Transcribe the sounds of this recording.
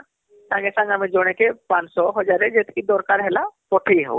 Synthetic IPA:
sãŋɡesãŋɡamẽd͡ʒoɽ̃ekepãnsɔɦɔd͡ʒaɾed͡ʒet̪kid̪ɔɾkaɾɦɛlapɔʈʰiɦɛ̰

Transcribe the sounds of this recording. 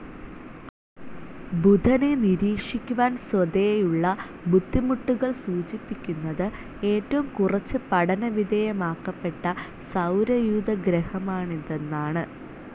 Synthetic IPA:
bud̪ʱɐne̞niɾiːkʂikʲːuʋaːnsod̪ejejuɭːɐ | bud̪ʱːimuʈːuɣɐɭsuːt͡ɕipːikʲːunːɐðɨ | e̞ːtːɐʋumkurɐt͡ɕːɨpɐɽɐnɐʋid̪ʱɐjemaːkːɐpːe̞ʈːɐ | sɐwɾɐjuːd̪ɐɡɾehɐmaːɳiðenːaːɳɨ

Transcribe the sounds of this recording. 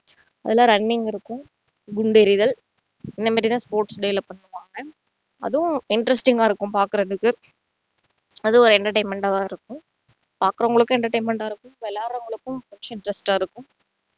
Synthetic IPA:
ɐðɛlːaːɾɐnːɪŋɡɪɾɯkːʊ̃ | ɡʊɳɖɛɾɪðɐl | ɪnd̪ɐmaːɾit̪ãːspoːɾʈsɖɛɪlɐpːɐɳːɯʋaːŋɡɐ | ɐ̰ðɯʊ̃ɪɳɖɾɐsʈɪŋɡaːɪɾɯkːʊ̃mpaːɾkɯɾɐðɯkːɯ | ɐðɯɔɾɯɛɳʈɐɾʈɐɪnmɛɳʈaːʋaːɪɾɯkːʊ̃m | paːɾkɯɾɐŋɡɐɭɯkːɯɛɳʈɐɾʈɐɪnmɛɳʈaːɪɾɯkːʊ̃mʋɛlːaːɾɾɐŋɡɐɭɯkːɯ̃mpɐt͡ʃːɐ̃ɪɳɖɾɐsʈaːɪɾɯkːʊ̃m

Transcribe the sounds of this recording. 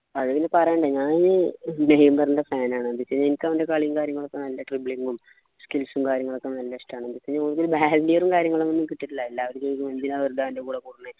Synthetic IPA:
ɐðɐʋinːepɐrɐjɳɖɨɲaːnnnejmbɐrndefaːnaːɳɨbiseɲːenikʲːɐʋindekaːɭijuŋkaːɾjɐŋːɐɭokːenɐlːɐʈribɭiŋɡum | skilsumkaːɾjɐŋːɐɭokːenɐlːɐiʂʈaːɳɨbiseɲːakoːɭukːoɾubaːlndijɐrumkaːɾjɐŋːɐɭumonːumkiʈːiʈːilailːaːʋɐɾkːeːnikːɨmɐnd̪inaːʋɐɾudaːʋindekuːɽekuːɽunːe

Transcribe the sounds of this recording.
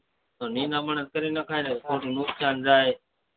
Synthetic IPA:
t̪oːnĩːnãːməɳət̪kəɾiːnəkʰaːeːnkʰoːʈːnuːkt̪ʰjaːnzaːɦeː

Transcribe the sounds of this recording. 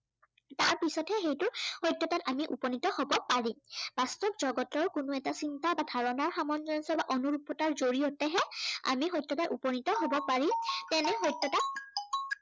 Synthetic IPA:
taɹpisɔtʰɛxejtʊhɔjtːɔtatamiʔṵpɔnitɔhobɔpaɹib̥astɔbzɔɡɔtɔɹkʊnʊɛtasintabadʱaɹɔnaɹxamɔnd͡ʒɔnsɔbaʔonuɹupːɔtaɹzoɹiotɛɦɛa̰mixɔjtːɔtaʔupɔnitɔɦobɔpaɹitɛnɛɦɔjtːɔtat̚

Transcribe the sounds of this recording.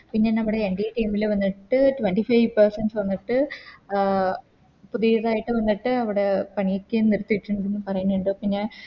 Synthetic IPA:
piɲːaːnɐmːuɽeːɳɖijɐʈiːmilʋɐnːiʈːɨʈʋɐɳʈifɐjʋpɐrsɐnɖsʋɐnːiʈːɨ | puðijɐðaːjiʈːɨʋɐnːiʈːɨɐʋiɽe̞pɐɳijekʲːeniɾut̪ːiʈːuɳɖenːɨpɐrɐjunːuɳɖoːpiɲːɐl

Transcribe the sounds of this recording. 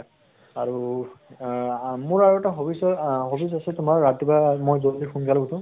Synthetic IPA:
aɹu | mʊɹaɹuɛtaɦobisɔɦobisasɛtʊmaɹːat̚ːibamojzodikʰunɡalɔɡutʰũ

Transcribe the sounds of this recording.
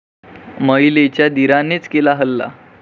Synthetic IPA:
məilet͡ɕjad̪iɾanet͡skelaɦəlːa̰

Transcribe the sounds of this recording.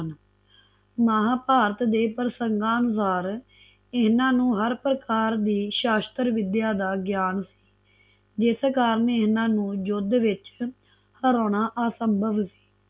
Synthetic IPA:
n | maɦaːpaːɾət̪d̪eːpəɾsəŋɡãːnʊsaːɾ | ɪɦnãːnũːɦəɾpɾəkaːɾd̪iːʃaːst̪əɾʋɪd̪jaːd̪aːɡjaːnsi̥ː | d͡ʒɪskaːɾənɪɦnãːnũːd͡ʒʊd̪ʋɪt͡ʃ | həɾoːɳaːʔaːsəmbʱəʋsi̥ː

